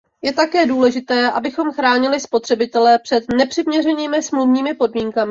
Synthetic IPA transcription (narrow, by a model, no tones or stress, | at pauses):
jɛt̪akɛːduːlɛʒɪt̪ɛːʔabɪxo̞mxɾaːɲɪlɪspo̞t̪r̥ɛbɪt̪ɛlɛpr̥ɛt̪nɛpr̥ɪmɲɛrɛɲiːmɪsmluvɲiːmɪpo̞dmiːŋkamɪ